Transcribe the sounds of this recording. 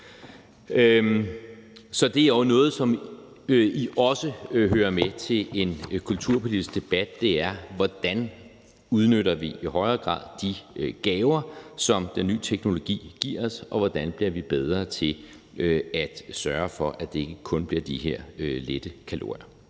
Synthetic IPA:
ø | sɒ̽d̥e̝æɐʊnɔ̽ːð̞̩ˠsɒ̽m | ʔiʔɒ̽səɦøːɐmet͡sʰe̝le̝nkʰult͡sʰuɐ̰pʰo̝lidisɡ̥d̥e̝b̥æd̥̚ːe̝æɐʋɒd̥æn | uð̞ˠnøɾɐʋiiɦɒ̽ɪɐːɡ̥ʁɑ̰̈ːðˠd̥iøɡ̥ɛːʊɐsɒ̽md̥enːy̰ːt͡sʰeɡ̥no̝lo̝ɡ̥ḭːɡ̥iɐ̰sɒ̽ʋɒd̥ænb̥liɐ̰ʋib̥eð̞ˠʁɐt͡sʰe̝l | øæd̥sɶːɐfɒ̽ʔæd̥e̝e̝ɡ̥əkʰɔ̽nb̥liɐd̥iɦeɐ̰øled̥əkʰælo̰ɐɪɐ

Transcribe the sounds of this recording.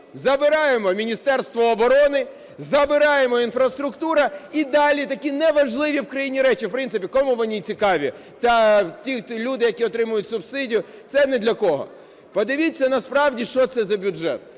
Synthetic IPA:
zɐbɪɾɑjemɔmʲinʲist̪ɛrst̪ʋɔːbɔɾɔnɪ | zɐbɪɾɑjemɔinfɾɐst̪ɾʊkt̪uɾɐid̪ɑlʲit̪ɐkʲinɛʋɐʒlˠɪʋʲiwkɾɐjinʲiɾɛt͡ʃiwpɾɪnt̪ɪpʲikɔmuʋɔnʲit͡sʲikɑʋʲi | t̪ɐt̪ʲilʲud̪ɪjɐkʲiɔt̪ɾɪmʊjʊtʲsʊbsɪdʲijʊt̪sɛnɛd̪lʲɐkɔɦɔ̰ | pɔd̪ɪʋʲit͡sʲːɐnɐspɾɑwdʲiʃt͡ʃɔt̪sɛzɐbʲʊd͡ʒɛ̰t̪̚

